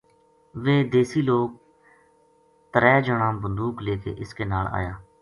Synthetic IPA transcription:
ʋeːd̪eːsiːloːk̚ | t̪əɾɛːd͡ʒəɳãːbənd̪uːkleːkḛːʔɪskeːnaːla̰ːjaː

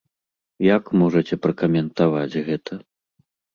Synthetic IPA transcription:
jakmɔʐɐt͡sʲɛpɾɐkɐmʲɛnt̪avat͡sʲɣɛt̪ʰɐ

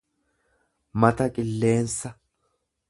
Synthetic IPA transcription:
mɐt̪ɐkʼɪlːe̞ːnsɐ

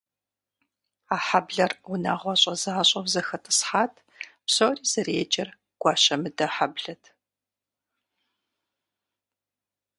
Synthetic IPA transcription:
aːħabɮɐrwʷʊna̰ːʁʷɔɕʼɐzaːɕʼɐwzɐxɐtʰʼɨ̥sħaːtʰ | psoːriːz̥ɐreːt͡ʃʼɐr | ɡ̥ʷɑːʃɐmɨdɐħabɮɐtʰ

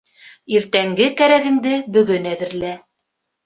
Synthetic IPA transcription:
iɾt̪æŋɡɘkæɾæɣɘ̆ŋd̪ɘbɵ̆ɣɵnæðɘ̆ɾlæ

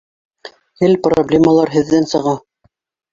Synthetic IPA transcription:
hɘlproblʲeməlˠɑɾɦɘ̆ðːænsɤ̆ʁɑ

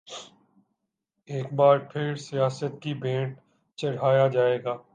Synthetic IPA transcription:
eːk̚baːɾpʰɪɾsijaːsət̪̚kibẽːʈ | t͡ʃɐɽ̤ɦaːjad͡ʒaːeːɡaː

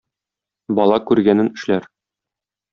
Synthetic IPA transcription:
bɒlˠɑkʉɾɡænɘnɘ̆ʃlæɾ

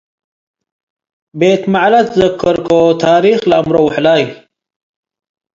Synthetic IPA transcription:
beːt̪maʕlɐt̪zəkːəɾkot̪ʰaːɾiːxlaːmɾowʊħlaːj

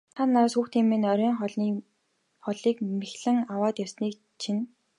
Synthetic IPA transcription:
t̪ʰat̪naɾsxuːxt̪ʰiːmːenœɾʲɔːŋχɮ | χɔɮiːkmexɮɘ̆ŋawaːt̪jɔsniːk | t͡ɕʰin

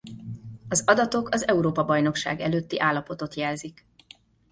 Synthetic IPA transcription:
ɒzɒd̪ɒt̪o̞kʰɒzɛuɾoːpɒbɒjno̞kʃa̰ːɡɛløːt̪ːiʔaːlːɒpo̞t̪o̞t̪jɛlzik

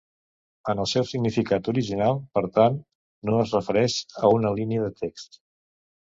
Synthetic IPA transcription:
ənəlˠsɛwsiɡnifikat̪uɾiʒinalˠpəɾt̪anː | oəzrəfəɾɛʃəunəliniəðət̪ʰekst̪

